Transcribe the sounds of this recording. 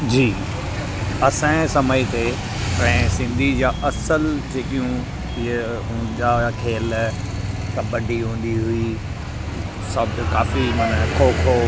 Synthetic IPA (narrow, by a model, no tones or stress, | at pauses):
d͡ʑiː | ɐsãːẽsɐməit̪e | pɐ̃ɪ̃sɪ̃nd̪ʱid͡ʑaːʔɐsəld͡ʑeːkijũ | ɦʊ̃d͡ʑakʰeːl | t̪ɐɓɐɖʱiɦũːn̆d̪iɦʊi | sɐbkaːfimaːnəkʰoːkʰo